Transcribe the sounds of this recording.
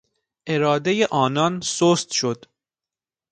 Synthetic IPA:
ʔe̞ɾɒːd̪ejeʔɒːnɒnsost̪ʃod̪̥

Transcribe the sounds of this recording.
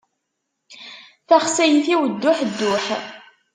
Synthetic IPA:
θæχsæjθiwəd̪ːʊħd̪ːʊħ

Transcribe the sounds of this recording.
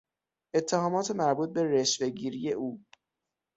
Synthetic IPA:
ʔe̞t̪ʰːehɒːmɒːt̪ʰemæɾbuːt̪̚be̞re̞ʃve̞ɡiːɾijeʔuː

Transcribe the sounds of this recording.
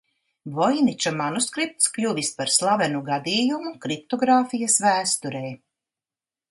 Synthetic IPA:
vɔjnit͡ʃumanuskɾip̚t̪sklʲuvispaɾslˠavɛnuɡad̪iːjumukɾip̚t̪ɔɡɾaːfijɐsvæːst̪uɾɛj

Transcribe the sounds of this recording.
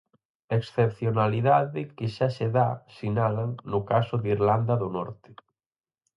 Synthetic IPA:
eksθep̚θjonaliðaðɪkɪʃaseðasinalaŋnʊkasʊðiɾland̪aðʊnɔɾt̪ɪ̥

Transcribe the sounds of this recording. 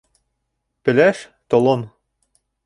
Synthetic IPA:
pɘ̆læʃ | t̪ŏlˠon

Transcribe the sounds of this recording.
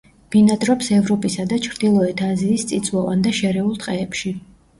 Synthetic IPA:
b̥inad̪ɾɔpsɛvɾɔpʼisad̪at͡ʃʰɾd̪ilˠɔɛt̪ʰaziːst̪sʼit̪sʼwavand̪aʃɛɾɛulˠt̪ʼqʼɛːpʃi

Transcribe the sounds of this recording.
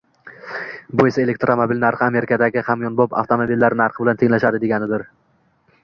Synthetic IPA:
bʊesae̞lek̚ʲt̪ɾomobilnaɾχɨame̞ɾɪkʰad̪aɡʲɪhamjɒnbɒpa̰ft̪ʰomobilːaɾnaɾχɨbɪlant̪ʰeŋlaʃad̪ɪd̪e̞ɡʲanɪd̪ɪɾ

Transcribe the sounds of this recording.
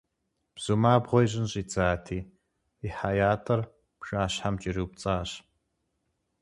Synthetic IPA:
b̥z̥umaːbʁʷɔjɕ̬ʼɪnɕʼit͡saːtʰiː | iħajaːtʰɐr | pʂaːɕħamt͡ʃʼiɾiwp̚t͡sʼaːɕ

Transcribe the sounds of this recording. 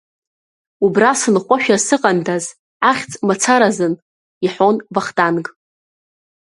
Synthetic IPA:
ubrasɨnχʷaʃᶣasɨqʼandaz | aχʲt͡sʼmat͡sʰaɾazɨn | iħo̞nvaχdankʼ

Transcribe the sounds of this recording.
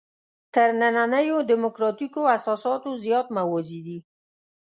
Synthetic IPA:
t̪əɾnananəjod̪ɪmʊkɾɑt̪ikoasɑsɑt̪ozjɑt̪mawɔd͡ʒid̪i

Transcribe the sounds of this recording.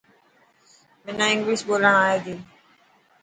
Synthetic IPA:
mɪnãːɪ̃ŋɡliːʃɓoːləɳ̃aːjeːd̪iː

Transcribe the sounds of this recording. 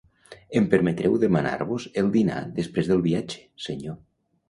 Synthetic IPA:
empəɾmet̪ɾʔɛwðemana̰ɾβuzelˠd̪ina̰ðespɾezðəlˠβiad͡ʒe̥seɲo

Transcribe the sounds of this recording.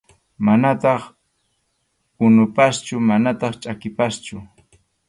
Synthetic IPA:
manat̪ɑχ | ʊnʊpast͡ʃʊmanat̪ɑχt͡ʃʼakɪpast͡ʃʊ

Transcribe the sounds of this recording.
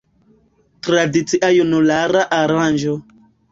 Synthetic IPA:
tɾadit͡siʔajunulaɾaʔaɾand͡ʒo

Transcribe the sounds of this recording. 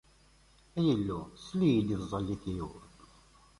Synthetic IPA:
æjəlːuslːijid̪izˤɑlːiθiju

